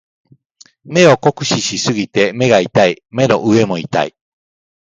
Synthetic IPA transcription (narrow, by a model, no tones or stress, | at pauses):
me̞o̞ko̞kɯ̟̥ɕiɕisɨɡʲit̪e̞me̞ɡait̪aime̞no̞̰ʔɯe̞mo̞it̪a̰i